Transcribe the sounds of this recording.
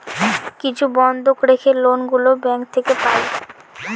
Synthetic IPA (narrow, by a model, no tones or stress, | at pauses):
kit͡ɕʰubɔnd̪ʱokɾekʰelonɡulobɛŋk̚t̪ʰekepae